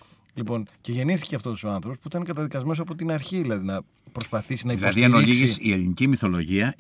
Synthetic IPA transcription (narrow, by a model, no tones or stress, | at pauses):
lipo̞nce̞ʝe̞niθi̥ce̞ɐft̪osso̞ɐnθɾo̞pospuit̪ɐnekɐt̪ɐðikɐzme̞nosɐpo̞t̪inɐɾçiðilɐðinɐ | pɾo̞spɐθisinɐilɐðiɐnoisʝisie̞linicimiθo̞lo̞ʝiɐ